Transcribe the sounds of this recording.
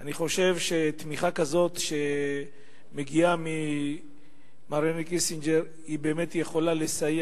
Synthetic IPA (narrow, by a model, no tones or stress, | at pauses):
ʔaniχo̞ʃe̞vʃe̞t̪miχakazo̞t̪ʃe̞ | meɡiami | maɾenikisind͡ʒeɾ | ibe̞ːme̞t̪jeχo̞lalesaje